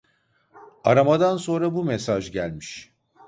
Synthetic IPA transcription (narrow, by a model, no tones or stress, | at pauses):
aɾamad̪anso̞nɾabumesaʒɟælʲmiʃ